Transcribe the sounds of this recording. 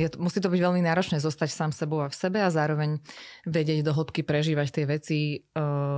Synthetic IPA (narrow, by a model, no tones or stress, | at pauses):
jɛt̪musiːt̪ɔbiɟʋɛʎminaːɾɔt͡ʃnɛːzɔst̪acsaːmsɛbɔʊafsɛbɛazaːɾɔʋɛɲʋɛɟɪɛɟd̪ɔɦl̩pkipɾɛʒiːʋact̪ɪɛʋɛt͡si